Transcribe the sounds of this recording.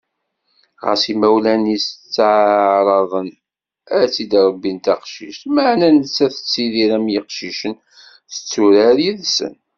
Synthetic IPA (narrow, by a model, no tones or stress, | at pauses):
ʁə̰simæwlænist͡sːʕɾˤɑðˤən | æt͡sːid̪ɾˤɑbːint̪ɑqʃḭʃt̪məʕnænət͡sːæθə̥t͡sːiðiɾæmjiqʃiʃən | θə̥t͡sːuɾæɾiðsə̰n